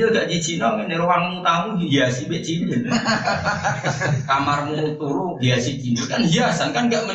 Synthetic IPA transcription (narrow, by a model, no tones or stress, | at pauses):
əɡaʔd͡ʒit͡ʃinɔminɛɾuwaŋmut̪amuiiasibeʔt͡ʃinən | kamarmut̪uɾubiasit͡ʃinɔkand͡ʒasankanɡaʔmə